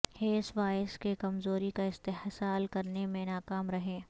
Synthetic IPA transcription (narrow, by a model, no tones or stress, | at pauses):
heːsʋaːɪəskekɐmzoːɾikaɪst̪ehsaːlkɐɾnemẽnaːkaːmɾɐɦẽː